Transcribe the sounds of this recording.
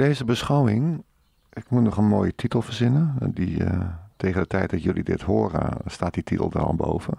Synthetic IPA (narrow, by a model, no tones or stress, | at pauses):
deːzəbəsχawɪŋ | ɪkmunɔχənmoːjətʰitəl̩ˠfərzɪnəditʰeːɣəndətʰɛjt̚dɔtjølˠidɪ̰thoːɾə̰staːt̚ditʰitəl̩ˠdə̰rɔ̰lˠbo̰wvə